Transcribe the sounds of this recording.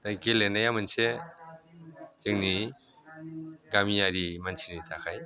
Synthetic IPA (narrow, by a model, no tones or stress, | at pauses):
dajkelenajamɯnse | tɯŋni | ɡamijaɾimansʰinitʰakʰaj